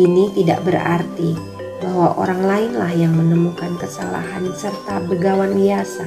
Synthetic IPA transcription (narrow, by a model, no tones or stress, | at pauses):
init̪ida̰ʔbəɾa̰rt̪i | baɦwaʔo̰ɾaŋlaɪnlahjaŋmənəmukankəsala̰ɦansərt̪abəɡawanbiasa